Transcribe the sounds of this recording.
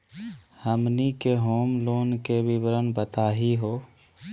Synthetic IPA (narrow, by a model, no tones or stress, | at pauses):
həmnikeɦoːmloːnkeʋɪʋəɾənbət̪aːɦiɦoː